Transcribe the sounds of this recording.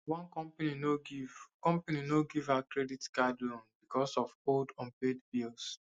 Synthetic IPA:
wɔ̃nkɔ̃mpaninoɡivkɔ̃mpaninoɡivakɹɛditkadlɔ̃nbikʰɔsɔfoldɔ̃npedbils

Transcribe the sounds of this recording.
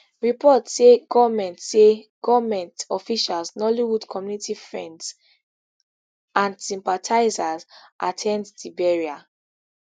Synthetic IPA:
ɹipʰɔtseɡɔvmɛ̃ntseɡ̥ɔvmɛ̃ntɔfiʃalznɔliwudkʰɔmjunitʰifɹɛ̰̃ndz | ãnsĩmpatʰaɪzazʔatʰɛ̃ndtʰibɛɹia

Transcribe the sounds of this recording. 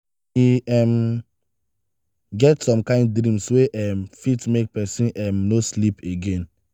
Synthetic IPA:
iɛm | ɡɛtsɔ̃mkãɪ̃nddɾĩmsweʔɛmfitmek̚pɛsĩnʔɛmnoslipʰeɡẽn

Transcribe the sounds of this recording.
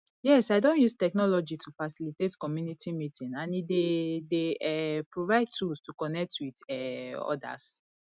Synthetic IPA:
jɛsaɪdõnjustɛknɔlɔd͡ʒitʰufasilitetkɔmjunitʰimitĩnãnidedeʔɛpɹovaɪd̚tʰulstukɔnɛk̚twidɛɔ̰da̰s

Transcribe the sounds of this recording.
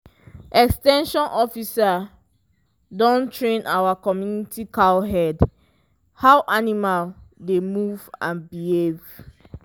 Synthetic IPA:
ʔɛkstɛ̃nʃɔ̃nʔɔfisa | dɔ̃ntʰɹẽnʔa̰wakɔmjunitikʰalɦɛd | hawʔanimaldemuvã̰nbihev

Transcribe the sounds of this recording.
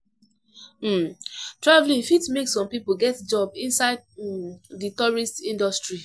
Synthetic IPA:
tɹavlĩŋfitmeksɔ̃mpipolɡɛtd͡ʒɔbĩnsaɪd̚ | ditɔɹistĩndɔstɹi

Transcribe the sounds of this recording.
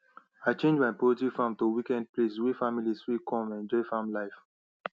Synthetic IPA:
aɪt͡ʃẽnd͡ʒmaɪpɔlitifãmtowikɛ̃nd̚ples̬wifamiliswikʰɔ̃mɛ̃nd͡ʒɔɪfãmlaɪf

